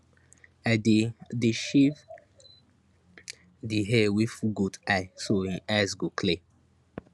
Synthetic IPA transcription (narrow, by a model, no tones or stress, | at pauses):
adedeʃiv | diɦɛwifuɡudaɪsoĩaɪsɡokʰle